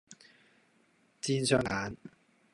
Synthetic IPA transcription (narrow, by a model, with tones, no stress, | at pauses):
t͡siː˥nsœː˧ŋaː˨˥n